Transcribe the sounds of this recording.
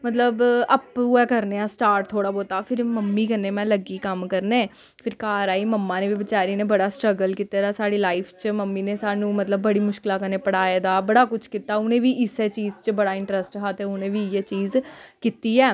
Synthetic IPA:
mət̪ləbəpuɛːkəɾneːaːsʈaːɾʈ̚t̪ʰoːɽaːboːt̪aːpʰɪɾməmːiːkənːeːmɛ̃ːləɡiːkəmkəɾnẽː | pʰɪɾkaːɾaːiːməmːãːneːʋiːʋɪt͡ʃaːɾiːneːbəɽaːsʈɾəɡəlkiːt̪eːd̪aːsaːɽiːlaːɪpʰt͡ʃməmːiːneːsaːnũːmət̪ləbːəɽiːmʊʃkɪlaːkəneːpəɽaːjaːd̪aːbəɽaːkʊt͡ʃʰkiːt̪aːʊnẽːʋiːʔɪseːt͡ʃiːzt͡ʃbəɽaːɪɳʈɾəsʈɦaːt̪eːʊnẽːʋiːɛːt͡ʃiːzkiːt̪iːɛː

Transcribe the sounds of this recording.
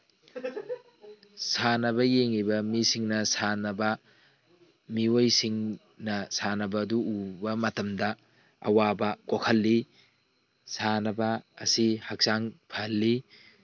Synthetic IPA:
sanɐbɐjeŋibɐmisiŋnɐsanɐbɐ | miojsiŋ | nɐsanɐbɐːduubɐmɐtɐmdɐ | ɐ̰wabɐkokʰɐlːi | sanɐbɐ̰ːsihɐk̚saŋpʰɐlːi

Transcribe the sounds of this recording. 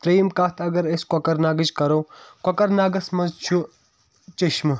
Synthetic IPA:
t̪ɾijmkat̪ʰɐɡɐɾeskɐkɐɾnaːɡɐd͡ʒkɐɾoːkɐkɐɾnaːɡɐsmɐ̃nzt͡ʃʰu | t͡ʃiʃm

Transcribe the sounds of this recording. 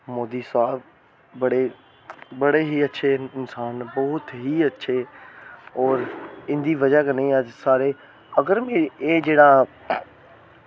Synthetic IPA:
moːd̪isaːb | bɐɽe | bɐɽeɦiɐtːʃʰeɪnsaːnbɔɦʊt̪ɦiɐtːʃʰe | ɔːɾɪ̃nd̪iʋɐd͡ʒakenɐĩasaːɾe | ɐɡəɾmẽeːd͡ʒeːɽa

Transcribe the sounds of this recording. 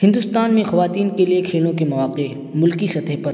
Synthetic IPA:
ɦɪ̃nd̪ʊst̪aːnmẽxɐʋaːt̪iːnkeliekʰeːlõkemɐʋaːqe | mʊlkisɐt̪ʰəɦpɐɾ

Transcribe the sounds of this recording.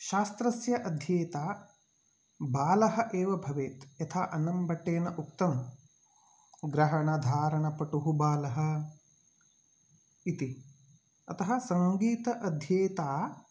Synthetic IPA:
ʃaːst̪ɾɐsjɐʔɐd̪ʱjeːt̪aː | baːlɐɦɐ̆ʔeːʋɐbʱɐʋeːt̪jɐt̪ʰaːʔɐnɐmbɐʈːeːnɐʔukt̪ɐm | ɡɾɐɦɐɳɐd̪ʱaːɾɐɳɐpɐʈuɦubaːlɐɦɐ̆ | it̪i | ɐ̰t̪ɐɦɐ̆sɐŋɡiːt̪ɐʔɐd̪ʱjeːt̪aː

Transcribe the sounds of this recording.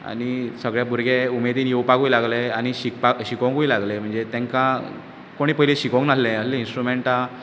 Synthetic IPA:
a̰ɽisəɡɭjabʱuɾɡeumed̪iːnjewpakujilaɡleaɽ̃iɕikpaɕikə̃ŋkujlaɡlem̤əɳd͡zet̪ɛ̃ŋkã | koɽ̃iːpəɦileɕikə̃ŋknaslẽəsliĩnsʈɾumeɳʈa

